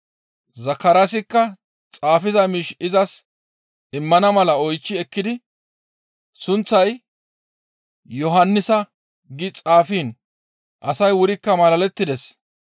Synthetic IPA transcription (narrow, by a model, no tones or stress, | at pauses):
zɐkːɐɾasɪkːɐ | t͡sʼaːfɪzɐmiːʃɪzɐs | ɪmːɐnɐmɐlɐɔjt͡ʃːɪɛkːɪd̪ɪ | sʊnt͡sːɐj | jɔɦɐnːɪsɐ | ɡɪt͡sʼaːfiːn | ʔɐsɐjwʊɾɪkːɐmɐlɐlɛt̪ːɪd̪ɛs